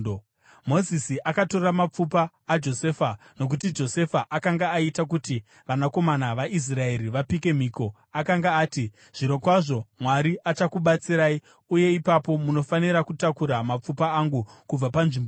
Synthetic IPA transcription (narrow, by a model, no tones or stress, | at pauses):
mo̞zisiʔakato̞ramap͡fupaːd͡ʒo̞se̞ːfa | no̞k̬utid͡ʒo̞se̞faʔakaŋɡaːitakuti | ʋanako̞manaʋaʔis̬rae̞ɾiʋapike̞m̤iːko̞ | akaŋɡaaːti | ʐ̥iɾo̞kwaʐo̞mwaɾiat͡ʃakuɓat͡siɾaːi | uje̞ipapo̞muno̞faniɾakutakuɾamap͡fupaːŋɡukub͡vapanʐimbo